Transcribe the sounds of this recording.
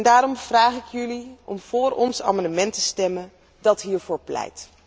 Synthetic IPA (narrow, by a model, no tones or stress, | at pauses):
ndaːɾɔmv̥raːχɪkjʏliɔmv̥ʊːrɔnsa̰ːmɑndəmɛntəstɛmən | dɑtɦiːɹvʊːɹplɛ̰jt